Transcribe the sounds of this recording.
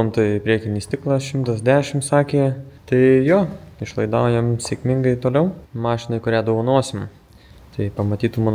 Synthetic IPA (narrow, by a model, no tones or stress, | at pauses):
omt̪ɐɪpʲɾʲiɛkʲɪnʲist̪ʲɪklˠɑsʃʲɪmt̪ɐsd̪ʲæːʃʲɪmsɑːkʲeːt̪ɐɪjoːɪʃlˠɐɪd̪ɐʊjɛmsʲeːkmʲɪŋɡɐɪt̪oːlʲɛʊmɑːʃʲɪnɐɪkʊɾʲæːd̪oʋoːnoɔsʲɪm | t̪ɐɪpɐmɐt̪ʲiːt̪ʊmon